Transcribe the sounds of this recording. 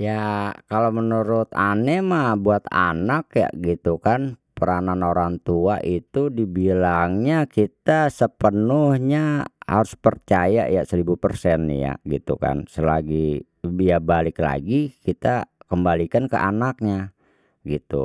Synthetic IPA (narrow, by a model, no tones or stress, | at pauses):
jakalomənuɾʊt̪anɛmabuat̪a̰nakja̰ɡit̪ukanpəɾananoɾaŋt̪uaʔit̪udibilaŋɲakit̪asəpənʊhɲaha̰ɾʊspərt͡ʃaja̰ʔja̰səɾibupərsɛn̰ja̰ɡḭt̪ṵka̰nsəlaɡi | ijabalɪkla̰ɡikit̪akəmbalikankə̰ʔanak̚ɲa | ɡit̪ṵ